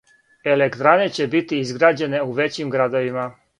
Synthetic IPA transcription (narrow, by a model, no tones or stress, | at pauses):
e̞lekt̪ɾane̞t͡ɕe̞bit̪iizɡɾaːd͡ʑe̞ne̞uʋe̞t͡ɕimɡɾad̪oʋima